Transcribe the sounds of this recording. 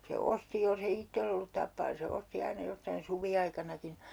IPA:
se osti jolse itːelː olːut tɑpːɑː ni se osti ɑinɑ jostɑin suʋiɑikɑnɑkin̞

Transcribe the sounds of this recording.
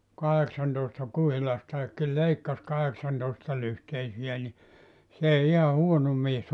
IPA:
kɑheksɑntoˑestɑ kuhilɑstɑekːi leikːɑs kɑheksɑntoˑestɑlyhteisiæ ni s eˑi ihɑ huono mies

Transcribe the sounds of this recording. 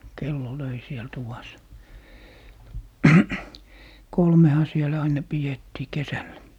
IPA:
kelːo løi siel tuʋɑs kolmehɑ sielæ ɑinɑ pijetːiː kesælːæ

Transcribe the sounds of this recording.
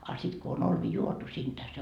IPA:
ɑ sit ko on olʋi juotu siːntæ se

